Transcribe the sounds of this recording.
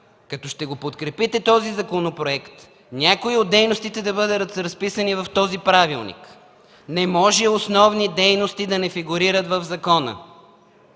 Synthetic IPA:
kɐt̪ɔʃt̪ɛɡopot̪kɾɛpit̪ɛt̪ɔzizɐkonopɾoɛkt̪ | nʲakoiod̪ːɛjnost̪it̪ɛd̪ɐbɤd̪əɾət̪ɾɐspisənivɐft̪ɔzipɾavilˠnḭk | nɛmɔʒɛosnɔvnid̪ɛjnost̪id̪ɐnɛfiɡʊɾiɾət̪vɐvzɐkɔnə̰

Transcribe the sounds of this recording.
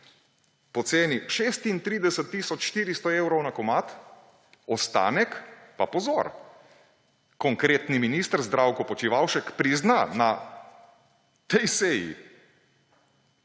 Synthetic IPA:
pɔt̪seːniʃeːst̪int̪ɾiːd̪ɛsət̪ːiːsɔt͡ʃʃt̪iːɾist̪ɔewɾɔwnakɔmat̪ | ɔst̪a̰ːnɛkpapɔzɔɾ | kɔŋkɾeːt̪niminiːst̪əɾzd̪ɾawkɔpɔt͡ʃiʋawʃɛkpɾiznana | t̪ɛjsejḭ

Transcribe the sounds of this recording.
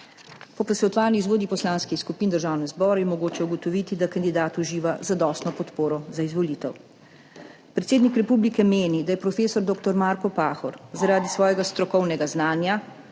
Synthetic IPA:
pɔpɔsɛɔt̪ʋaːɾniizʋoːd̪ipɔslaːnskixskupiːnd̪əɾʒaːwnɛzbɔːɾɛjɛmɔɡoːt͡ʃɛuɡɔt̪ɔʋiːt̪id̪akand̪id̪aːt̪uʒiːʋazad̪ɔst̪nɔpɔt̪poːɾɔzaizʋɔliːt̪ɛw | pɾɛt̪seːd̪nikɾɛpublikɛmeːnid̪ajɛpɾɔfeːsɔɾd̪oːkt̪ɔɾmaɾkɔpaːxɔɾzaɾaːd̪isʋɔːjɛɡast̪ɾɔkɔwnɛɡaznaːnja

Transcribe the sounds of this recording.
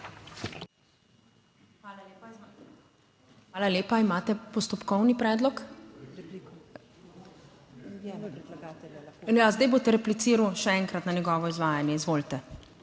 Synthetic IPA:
aːlaleːpaimaːt̪ɛpɔst̪ɔpkɔwnipɾɛːd̪lɔk | jazd̪ajboːt̪ɛɾɛplit̪siːɾwʃɛɛŋkɾat̪nanjɛɡɔːʋɔizʋaːjanjɛizʋoːlt̪ɛ

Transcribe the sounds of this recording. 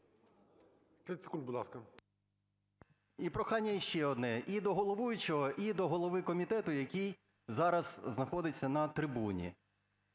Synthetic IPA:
k̪ɛsʲɪ̥kunʲbʊd̪lˠɑskɐ | ipɾɔxɑnʲːɐjʃt͡ʃɛɔd̪nɛʔid̪ɔɦɔlˠɔʋujʊt͡ʃɔɦɔʔid̪ɔɦɔlˠɔʋɪkɔmʲit̪ɛt̪ʊjɐkʲij | zɑɾɐz̥znɐxɔd̪ɪt͡sʲːɐnɐt̪ɾɪbunʲḭ

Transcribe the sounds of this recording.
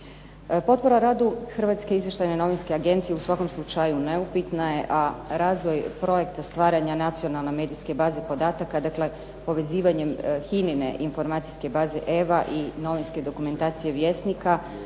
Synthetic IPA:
po̞t̪̚po̞ɾaɾaːd̪uxr̩ʋat̪ske̞izʋje̞ʃt̪ajneno̞ʋinskeaɡe̞nt̪sije̞usʋako̞mslˠut͡ʃajune̞upit̪naje̞ʔaɾaːzʋo̞jpɾo̞je̞kt̪ast̪ʋaːɾaɲanat̪sio̞nalˠneme̞ːd̪iske̞baːze̞po̞d̪aːt̪akad̪akle̞ | po̞ʋe̞ziːʋaɲemxinine̞̰ʔinfo̞ɾmaːt̪sijske̞baːze̞ʔeʋaʔino̞ʋinske̞d̪o̞kume̞nt̪aːt̪sije̞ʋje̞st̪nika

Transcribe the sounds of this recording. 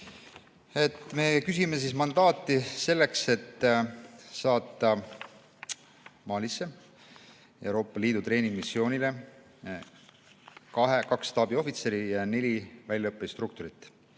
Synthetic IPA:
e̞t̪ːme̞kys̬ime̞s̬ismɑnd̪̥ɑːt̪ːˑise̞lːe̞kse̞t̪ː | sɑːt̪ːˑɑ | mɑːlʲisːe̞ | e̞wɾo̞ːpˑːɑliːd̪ut̪re̞ːniŋɡ̥misːio̞ːnʲile̞ | kɑɦekɑkst̪ɑːbio̞fit̪se̞ɾijɑne̞lʲivælʲjɑɤpːˑest̪ruk̚t̪uɾit̪ːˑ

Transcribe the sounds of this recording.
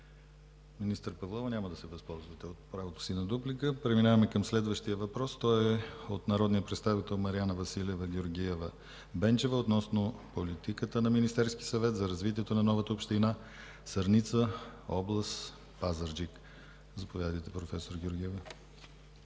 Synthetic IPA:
minist̪əɾpɐvlˠɔvənʲaməd̪ɐsɛbɐspɔlˠzvət̪ɛot̪̚pɾavot̪o̥sinɐd̪uplikəpɾɛminavɐmɛkəmslɛd̪vəʃt̪iəvɐpɾɔst̪ɔjɛot̪nɐɾɔd̪nijəpɾɛt̪st̪avit̪ɛlˠmɐɾianəvɐsilʲɛvəɡʲjʊɾɡʲiɛvə | bɛnt͡ʃɛvəot̪nɔsnopolit̪ikət̪ənɐminist̪ɛɾskisɐvɛt̪zɐɾɐzvit̪iɛt̪onɐnɔvət̪əopʃt̪ina | sɐɾnit̪səɔblˠəst̪ | pazəɾd͡ʒik | zɐpovʲjad̪əjt̪ɛpɾofɛsoɾɡʲʊɾɡʲiɛvə

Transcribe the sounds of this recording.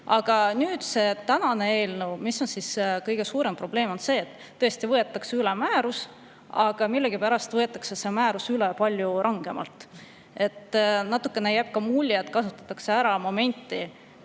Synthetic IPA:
ɑɡ̥ɑnyːd̪̥se̞t̪ænɑne̞e̞ːlnuwmisːo̞nsiskɤjɡ̥e̞suːɾe̞mpro̞b̥le̞ːmo̞nse̞ːt̪ːɤ̞est̪ivɤe̞t̪ːˑɑksylemæːɾus | ɑɡ̥ɑmilːeɡ̥ipæɾɑst̪vɤ̞e̞t̪ːˑɑksesemæːɾusylepɑlʲjuɾʔɑŋɡ̥e̞mɑ̰lt̪ˑ | e̞t̪ːnɑt̪ːukːˑe̞nejæb̥̚kɑmulʲːjɑt̪ˑkɑsut̪ːˑɑ̥t̪ːˑɑkse̞æɾɑmo̞me̞nʲt̪ːˑi

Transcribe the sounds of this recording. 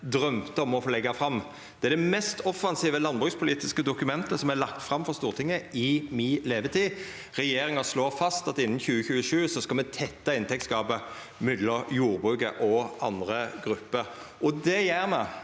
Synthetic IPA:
d̪ʁœmt̪əɔmɔfoːlɛɡːɑfʁɑmː | d̪̥ɛæd̪ɛmɛst̪ɔfːɑnsiːʋəlɑnbʁʉːkspʰʊliːt̪ɪskəd̪ʊkʉmɛnt̪əsɔmælɑkt̪fʁɑmfɔʁst̪uːʁt̪ʰɪŋːəɪmileːʋət̪ʰiː | ʁɛjeːɾɪŋɑsloːʁfɑst̪ɑt̪ɪnːn̩çʉːəçʉːəʂʉːsɔskɑlmɛt̪ʰɛt̪ːɑɪnt̪ɛk̚t̪skɑːbə | mʏd̪ləjuːʁbʁʉːkə̰ʔɔʔɑnd̪ʁəɡɾʉpːəɾʔɔd̪ɛjæːʁmɛ

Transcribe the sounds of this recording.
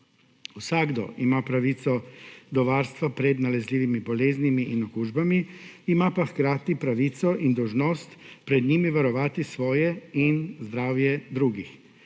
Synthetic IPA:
usaɡd̪ɔ̰ʔimapɾaʋit̪sɔd̪ɔʋaːɾst̪ʋapɾɛd̪nalɛzliːʋimibɔleːznimiʔinɔkuːʒbamiːmapaxkɾaːt̪ipɾaʋiːt̪sɔʔind̪ɔwʒnɔːst̪pɾɛd̪ɲiːmiʋaɾɔʋaːt̪isʋɔːjɛinzd̪ɾaːwjɛd̪ɾuːɡix

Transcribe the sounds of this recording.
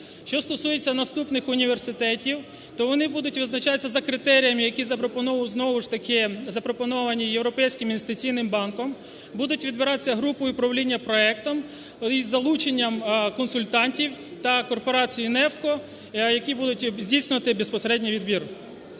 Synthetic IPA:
ʃt͡ʃɔst̪ɔsujet͡sʲːɐnɐst̪upnɪxʊnʲiʋersɪt̪ɛtʲiw | t̪ɔʋɔnɪbud̪ʊtʲʋɪznɐt͡ʃɑt̪t͡sʲːɐzɐkɾɪt̪ɛɾʲijɐmɪjɐkʲizɐpɾɔpɔnɔʋɐznɔʋʊʃt̪ɐkɪzɐpɾɔpɔnɔʋɐnʲijewɾɔpɛjsʲkɪminest̪ɪt͡sʲijnɪmbɑnkɔm | bud̪ʊtʲʋʲid̪bɪɾɑt̪et͡sʲːɐɦɾupɔjʊpɾɐwlʲinʲːɐpɾɔɛkt̪ɔm | izːɐlˠut͡ʃenʲːɐmkɔnsʊlʲt̪ɑnʲtʲiwt̪ɐkɔrpɔɾɑt͡sʲijinɛwkɔ | jɐkʲibud̪ʊtʲzʲdʲijsʲnʲɪʋɐt̪ɪbespɔseɾɛdʲnʲiʋʲid̪bʲir

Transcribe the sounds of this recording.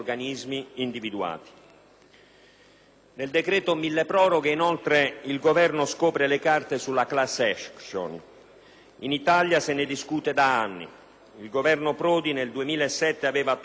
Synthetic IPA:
rɡanizmiind̪ivid̪ua̰ːt̪i̥ | neld̪ekɾɛːt̪omilːepɾɔːɾɔɡeinolt̪ɾeilɡovɛrnoskɔːpɾelekart̪esulːaklasːɛʃkʃo̰n | init̪aljasɪnɪd̪iskuːt̪ed̪aanːḭ | ilɡovɛrnopɾɔːd̪ineld̪uemiːlaesːɛt̪ːeavɛːva

